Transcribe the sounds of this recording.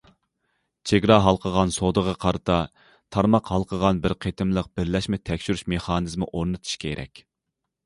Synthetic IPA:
t͡ʃʰeɡʲɾɑɦɑlˠqʰəʁɑnsod̪əʁɑqʰɑɾɨt̪ʰɑ | t̪ʰɑɾmɑqhɑlˠqʰəʁɑnbɪɾqʰet̪ʰɪmlˠəq̚bɪɾlɛʃmɛt̪ʰɛkʲʃyɾyʃmeχɑːnɨzmɪʔoɾnɨt̪ʰu̥ʃkʲʰeɾʔɛ̰kʲ

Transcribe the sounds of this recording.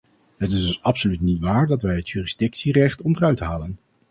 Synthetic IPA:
ɦətɪzdɵsɑpsolytnitʋaːɹdɑtʋɛjɦətjyːrizdɪksirɛχtɔndərœɥtɦaːlən

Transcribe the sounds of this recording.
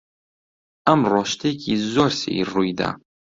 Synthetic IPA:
amrɔʃt̪ʰekʰizɔɾsḭirujd̪a̰

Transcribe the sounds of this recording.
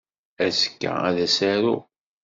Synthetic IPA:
æsə̥kːæ̰æðæsæɾu

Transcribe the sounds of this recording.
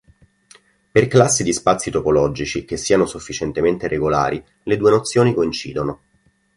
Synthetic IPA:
perklasːid̪ispat̪sːit̪opolɔd͡ʒit͡ʃik̟esːiːanosufːit͡ʃent̪ement̪erʔeɡola̰ːɾʔi | led̪uːenot̪sːjoːnikoint͡ʃiːd̪ono

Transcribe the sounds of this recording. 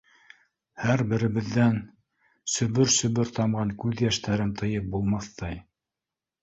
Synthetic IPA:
hæɾbɘ̆ɾɘ̆βɘ̆ðːæn | sɵ̆βɵɾsɵ̆βɵɾt̪ɑmʁɑŋkʉðjæʃt̪ʰæɾɘnt̪ʰɤ̆jɤp̚bulˠmɑθt̪ɑj

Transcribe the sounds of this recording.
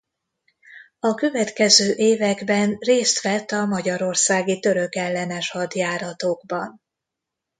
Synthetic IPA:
ɒkø̞vɛt̪kɛzøːʔeːvɛɡbɛnreːst̪ʋɛt̪ːɒmɒɟɒɾo̞rsaːɡit̪ø̞ɾø̞kɛlːɛnɛʃhɒd̪jaːɾɒt̪oːɡbɒn

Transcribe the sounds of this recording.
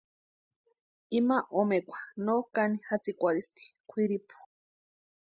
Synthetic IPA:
imaʔomekʷḁnokanihat͡sikʷaɾist̪i̥kʷʰiɾipu̥

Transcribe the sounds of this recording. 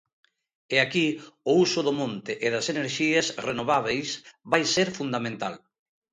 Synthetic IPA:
eakiʊusʊðʊmõnt̪ɪʔɪðɐseneɾʃiɐsrenoβaβ̞ejsβajseɾfund̪amẽnt̪a̰l

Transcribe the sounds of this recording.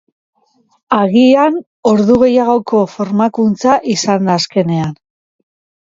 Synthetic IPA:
aɣian | o̞ɾðuɣ̞e̞jaɣo̞ko̞fo̞ɾmakunt͡saʔisand̪aːske̞ne̞an

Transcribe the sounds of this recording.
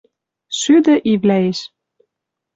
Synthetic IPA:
syd̪ɘ̆ʔivlæeʃ

